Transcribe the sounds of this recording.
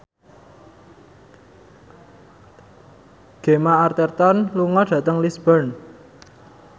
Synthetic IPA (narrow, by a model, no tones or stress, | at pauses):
ɡ̥e̤maart̪ert̪ɔnluŋɔɖ̥ä̤t̪əŋlisb̥ərn